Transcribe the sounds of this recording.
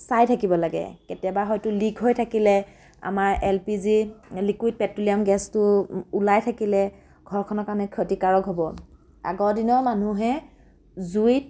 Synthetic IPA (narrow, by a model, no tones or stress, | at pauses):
sajtʰakibɔlaɡɛ̰ketijabaxɔjtʊliɡɦojtʰakilɛ | a̰maɹʔɛlpizilikwid̚pɛtuliamɡɛstʊːlajtʰakilɛ | ɡ̥ʱɔɹkʰɔnɔkanɛkʰotikaɹɔkɦobɔ | a̰ɡɔɹdinɔɹmanuɦɛ | zuit̚